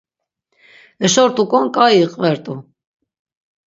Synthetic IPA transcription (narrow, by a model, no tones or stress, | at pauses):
əʃɔɾt̪ʼukʼɔnkʼaiqʼvɛɾt̪ʼu